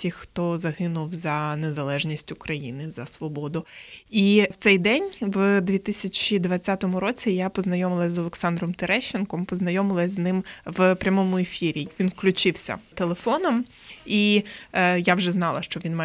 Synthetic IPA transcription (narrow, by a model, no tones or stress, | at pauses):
tʲixxt̪ɔzɐɦɪnʊwzɐnezɐlˠɛʒnʲisʲtʲʊkɾɐjḭnɪzɐsʋɔbɔd̪ʊiwt̪sɛjd̪ɛnʲʋd̪ʲʋʲit̪ɪsʲɐt͡ʃid̪ʋɐt͡sʲːat̪ɔmʊɾɔt͡sʲijapɔznɐjɔmɪlˠɐzɔlˠeksɑnd̪ɾɔmt̪eɾɛʃːenkɔmpɔznɐjɔmɪlˠɐzznɪmʋpɾʲɐmɔmʊefʲiɾʲiʋʲinwklʲʊt͡ʃɪwsʲɐ̰t̪elˠefɔnɔm | i | jawʒɛznɑlˠɐʃt͡ʃɔʋʲinma